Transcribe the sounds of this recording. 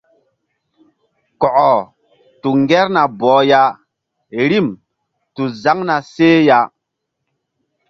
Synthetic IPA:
kɔ˨ʔɔ˨ | tu˨ŋɡɛ˦ɾna˨bɔː˨˦ja˦ | ɾi˦˨m | tu˨za˦ŋna˨seː˦ja˦

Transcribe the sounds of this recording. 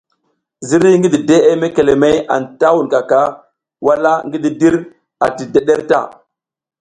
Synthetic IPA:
zi˦ɾi˦ŋɡi˦di˨de˦ʔe˦me˦ke˨le˨me˦ja̰˨nta˦wu˨nka˨ka˦ | wa˦la˦ŋɡi˦di˨di˦ɾ | a̰˨ti˨de˦ɗe˦ɾta̰˦˨

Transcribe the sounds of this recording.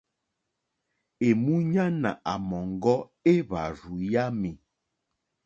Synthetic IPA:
e˨mu˦ɲa˦na˨ʔa˨mɔ˨ŋɡɔ˦e˦βa̰˨ɾu˨ja˦mi˨

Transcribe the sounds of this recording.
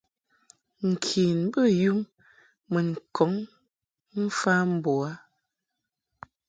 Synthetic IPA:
ŋ̩˨kʰi˨n˦bə˦ju˦m | mə˨ŋ̩˨kʰɔ˨˦ŋ | m̩˦fa˦m̩˦bo˨a˨˦

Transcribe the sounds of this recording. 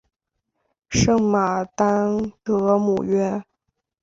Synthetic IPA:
ʂɤ˥˩ŋma˨˩t̪a˥nt̪ɤ˧˥mṵ˨˩ɥɛ˥

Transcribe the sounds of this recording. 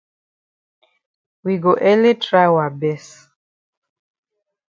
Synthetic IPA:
wi˨ɡo˨ʔɛ˦le˦tʰɹa˦jwa˨bɛ˦s

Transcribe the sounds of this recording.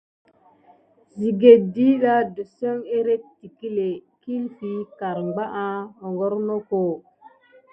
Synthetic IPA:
zi˨ɡe˨di˦da˦do˨so˦ŋe˦ɾe˦ti˨ki˦le˨ki˦lfi˦ka˨ɾŋ͡mɡ͡ba˦ʔã˦o˨ŋɡo˦ɾno˦ko˦˨

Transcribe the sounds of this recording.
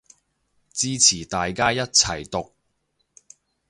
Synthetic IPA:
t͡siː˥t͡sʰiː˨˩t̪aː˨jkaː˥jɐ˥t̚t͡sʰɐ˨˩jt̪ʊ˨k̚

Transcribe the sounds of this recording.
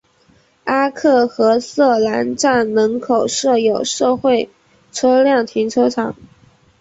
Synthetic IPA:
a˥kʰɤ˥˩xɤ˧˥sɤ˥˩la˧˥nʈ͡ʂa˥˩nnɤ˧˥ŋkʰo˨˩ʊʂɤ˥˩jo˨˩ʊʂɤ˥˧xwe˥˩ɪ | ʈ͡ʂʰɤ˥ljɑ˥˩ŋt̪ʰi˧˥ŋʈ͡ʂʰɤ˥ʈ͡ʂʰɑ˨˩˦ŋ

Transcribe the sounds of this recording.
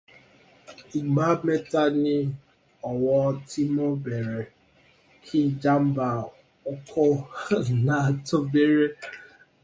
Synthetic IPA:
i˨ɡ͡ba˦me˦ta˦nɪ˦ | ɔ˨wɔ˦tʰi˦mo˦be˨ɾe˨ | kʰɪ˦d͡ʒa˦m̩˦ba˨ | ʊ˦kʰɔ˦na˨to˦be˦ɾe˦

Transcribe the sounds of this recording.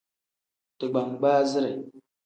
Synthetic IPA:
tə˨ɡ͡ba˨ŋɡ͡ba˦zi˦ɾa˨

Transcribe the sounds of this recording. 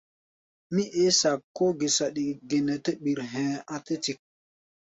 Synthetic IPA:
mi˦ʔe˦sa˨kːo˦ɡe˨sa˨ɗi˨ɡe˨nɛ˨te˦ɓi˨ɾɦɛ̃ː˨a˨te˦ti˨k̚

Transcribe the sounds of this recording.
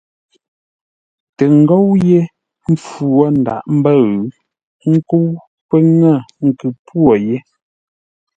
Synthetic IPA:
te˨ŋ̩˨ɡɔ˦wje˦ | m̩˦p͡fu˨ɔ˦n̩˨da̰˨ʔm̩˦bə˦˨ɣ | ŋ̩˦ku˦w | pə˦ŋə˦˨ŋ̩˨kʉ˨pwo˨je˦

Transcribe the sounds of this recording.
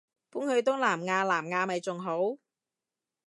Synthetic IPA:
puː˨˥nhɵ˨˧ɥt̪ʊ˥ŋlaː˨˩mŋaː˧laː˨˩mŋaː˧mɐ˨jt͡sʊ˨ŋɦo˨˥w

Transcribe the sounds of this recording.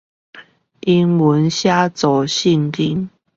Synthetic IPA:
ʔi˦nwə˨˦nɕja˦t͡sɔ˨˩ɕi˥˧ŋki˦n

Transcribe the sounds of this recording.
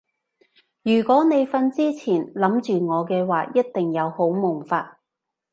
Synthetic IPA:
jyː˨˩kʷɔː˨˥ne˨˧jfɐ˧nt͡siː˥t͡sʰiː˨˩nlɐ˨˥mt͡ʃyː˨ŋɔː˨˧kɛː˧waː˨˩jɐ˥t̚t̪ɪ˨ŋjɐ˨˧who˨˥wmʊ˨˩ŋfaː˧t̚

